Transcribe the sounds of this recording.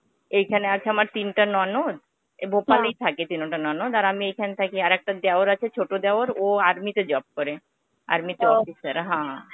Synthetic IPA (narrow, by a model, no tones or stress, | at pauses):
ejkʰaneat͡ɕʰeamaɾt̪inʈanɔnod̪ | bʱopalejt̪ʰaket̪inoʈanɔnod̪aɾamiejkʰanet̪ʰakiaɾɛk̚ʈad̪eoɾat͡ɕʰet͡ɕʰoʈod̪eoɾoaɾmit̪ed͡ʑɔb̚koɾe | a̰ɾmit̪eɔfisaɾɦã